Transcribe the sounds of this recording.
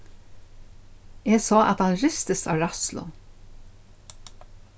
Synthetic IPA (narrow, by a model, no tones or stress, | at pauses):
ɛːɡsɑːʔɑ̰t̪hɑnɹɪst̪əst̪ɑ̰ːʋɾɑslʊ̰